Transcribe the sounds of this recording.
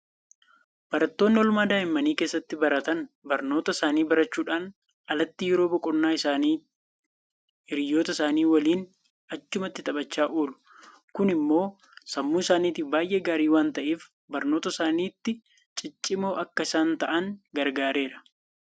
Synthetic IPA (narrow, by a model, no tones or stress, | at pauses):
b̥ɐɾɐt̪ːo̞ːnːɪɔlʊmaːd̪aːɪmːɐniːkeːsːɐt̪ːɪbɐɾɐt̪ɐnbɐɾno̞ːt̪ɐɪsaːniːbɐɾɐt͡ʃːuːᶑaːn | ɐlɐt̪ːɪjɪɾo̞ːbɔkʼɔnːaːɪsaːniː | ɪɾɪjo̞ːt̪ɐsaːniːwɐliːn | ɐt͡ʃːʊmɐt̪ːɪt̪ʼɐɓɐt͡ʃːaːʔoːlʊ̥ | kʊnɪmːo̞ː | sɐmːuːɪsaːniːt̪ɪbaːjʔeɡaːɾiːwaːnt̪ɐʔeːf | bɐɾno̞ːt̪ɐsaːniːt̪ːɪ | t͡ʃʼɪt͡ʃʼːɪmoːʔɐkːɐɪsaːnt̪ɐʔɐŋɡɐɾɡaːɾe̞ːɾɐ